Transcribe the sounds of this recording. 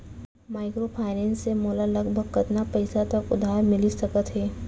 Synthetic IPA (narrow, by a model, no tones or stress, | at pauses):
maːɪkɾopʰaːɪnɛ̃ːnsːemoːlalɐɡbʱəɡ̚kɐt̪napɛɪsat̪ɐkʊd̪ʱaːɾmɪlisɐkət̪ɦɛː